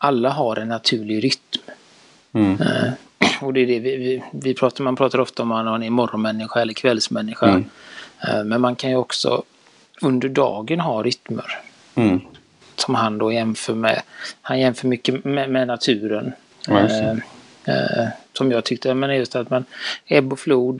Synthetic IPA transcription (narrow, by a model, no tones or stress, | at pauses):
ʔalːaɦaɾʔɛnːat̪ʰʉ̟ːɭɪɾʏt̪m | ɔd̪ɛdɛvɪvɪvɪpʰɾɑːt̪amanpʰɾɑːt̪aɾɔft̪aɔmananɪmɔɾɔnmɛnːɪɧaɛlːəɾkʰvɛlsmɛnːɪɧa | mɛnmankʰanjɵɔksɔ̰ | ɵnd̪əɖɑ̰ːɡənɦɑːɾʏt̪mə̰ɾ | sɔmɦand̪oːjɛmfœːɾmɛ̰hanjɛmfœːɾmʏkːəmɛmɛnat̪ʰʉ̟ːɾən | sɔmjɑːɡt̪ʰʏkt̪əameːnajɵst̪at̪manɛbːɔfluːd̪